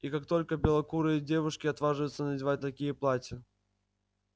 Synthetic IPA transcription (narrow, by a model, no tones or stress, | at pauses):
ikakt̪o̞lʲkəbʲɪlˠɐkuɾɨjdʲevʊʂkʲɪɐt̪vaʐɨvjʊt̪sənədʲɪvat̚ʲt̪ɐkʲijəplˠatʲə